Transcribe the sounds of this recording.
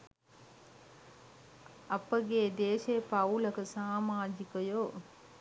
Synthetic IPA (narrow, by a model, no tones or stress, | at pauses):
ɐpəɡeːd̪eːʃepauləkəsaːmaːd͡ʒikəjo